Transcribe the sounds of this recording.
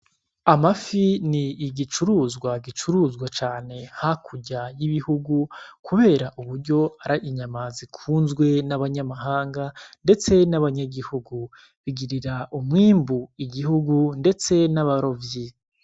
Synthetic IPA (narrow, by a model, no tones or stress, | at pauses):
amafiniːɟit͡ʃuɾuːzɡwaɡit͡ʃuɾuːzɡwat͡ʃaːne̞hakʰuɟajiβihuɡukuβe̞ːɾaʔuβuɾɟo̞aɾaʔiɲamazikʰuːnzɡwe̞naβaɲamaɦaːŋɡande̞t͡se̞naβaɲaɡihuɡu | βiɡiɾiɾaʔumŋiːmbuiɡihuɡunde̞t͡se̞naβaɾo̞vji